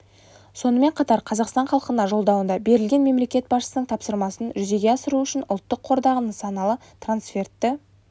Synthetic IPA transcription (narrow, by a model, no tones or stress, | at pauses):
so̞nəme̞ɴqʰɑt̪ɑɾqʰɑzɑqst̪ɑɴχɑlˠəqənɑʒo̞lˠd̪ɑwənd̪ɑbe̞ɾɪlɡʲe̞nme̞mle̞kʲe̞t̪̚bɑsʃə̥sənəɴt̪ʰɑpsəɾmɑsənʒʏze̞ɡʲe̞ɑsəɾuʏʃɪnʊ̰lˠt̪ːəqʰo̞ɾd̪ɑʁənəsɑnɑlˠə | t̪ransfʲe̞rt̪ːɪ